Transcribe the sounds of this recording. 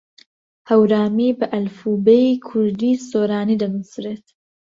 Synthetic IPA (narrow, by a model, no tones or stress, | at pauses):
hɐwɾaːmiːbɨʔɐlfuːbejikʰʊɾd̪iːsoːɾaːniːd̪ɐnusɾet̪